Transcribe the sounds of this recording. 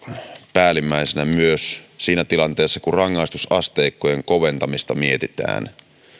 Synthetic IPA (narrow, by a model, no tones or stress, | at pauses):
pæːlimːæisenæmyøssiːnæt̪ilɑnt̪eːsːɑkurɑŋːɑist̪usɑst̪eːkːojeŋkoʋe̞nt̪ɑmist̪ɑmiet̪it̪æ̰ːn